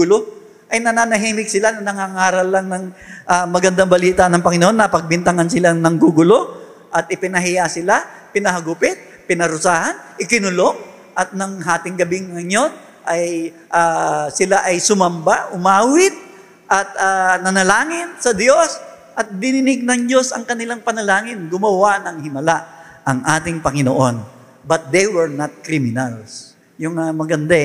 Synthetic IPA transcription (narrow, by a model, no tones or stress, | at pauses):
ʊlo | ʔɐjnɐnanɐɦiːmɪɡ̚sɪlanɐnɐŋaŋaːɾɐlːɐŋnɐŋʔamɐɡɐnd̪aŋbɐliːt̪ɐnɐŋpɐŋɪnohonːɐpɐɡ̚bɪnt̪ɐŋansɪlanɐŋɡuːɡʊlo̞ | ʔɐt̪̚ɪpɪnɐɦɪjasɪlapɪnɐɦɐɡʊpɪt̪̚ | pɪnɐɾʊsaːhɐnʔɪkɪnʊlo̞ŋ | ʔɐt̪̚nɐŋɦaːt̪ɪŋɡɐbɪŋːɐɲjo̞n | ʔɐj | ʔasɪlaʔɐjsʊmɐmbaʔʊmaːwɪt̪̚ | ʔɐt̪̚aːnɐnɐlaːŋɪnsɐd̪jo̞s | ʔɐt̪̚bɪnɪnɪɡ̚nɐŋd͡ʒo̞sɐ̰ŋkɐnɪlaŋpɐnɐlaːŋɪnɡʊmɐwaʔnɐŋhɪmɐlaʔ | ʔɐŋʔaːt̪ɪŋpɐŋɪno̰ʔo̞n | bɐt̪̚d̪ɛjwɛɹnat̪̚kɾimɪnɐls | jʊŋamɐɡɐnd̪a